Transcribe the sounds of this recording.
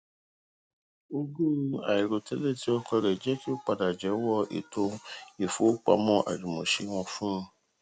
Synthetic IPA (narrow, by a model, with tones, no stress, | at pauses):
o˧ɡu˦a̰˨i˨ɾo˨tɛ˨˦le˦˨ti˨˦ɔ˦kɔ˧ɾɛ˨d͡ʒɛ˨˦ki˦o˦k͡pa˧da˨d͡ʒɛ˨˦wɔ˦˨ḛ˨to˧˦e˨fo˨˦k͡pa̰˧˨mɔ̃˧ʔa̰˨d͡ʒũ˨mɔ̃˨ʃe˧˦w̃ɔ̃˧fũ˦˧